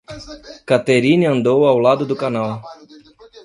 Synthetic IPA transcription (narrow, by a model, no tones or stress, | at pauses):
kat̪eɾiniɐ̃nd̪owawlad̪ʊd̪ʊkanaw